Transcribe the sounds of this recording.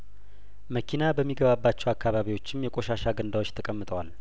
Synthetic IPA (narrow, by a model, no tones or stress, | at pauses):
məkʰinabəmːiɡəβabːat͡ʃːɛwakʰːaβaβiwo̞t͡ʃːɪmjɛkʼo̞ʃaʃaɡənd̪awot͡ʃːt̪ʰəkʼəmːɨt̪ʼəwal